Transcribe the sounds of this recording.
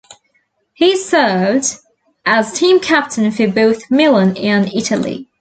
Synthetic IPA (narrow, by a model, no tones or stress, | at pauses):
hisɜːvd | ʔəz̥tʰĩːmkʰæp̚tʰə̃nfəboʊθmɪlˠə̃nɪ̃nɪɾəlˠḭ